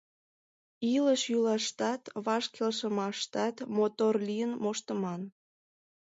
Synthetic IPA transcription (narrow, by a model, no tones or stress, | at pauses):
iləʃjylɑʃt̪ɑt̪βɑʃkelʃəmɑʃt̪ɑt̪mot̪orlijənmoʃt̪əmɑn